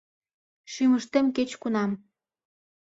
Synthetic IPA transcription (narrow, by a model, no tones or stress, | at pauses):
ʃyməʃt̪emket͡ɕkunɑm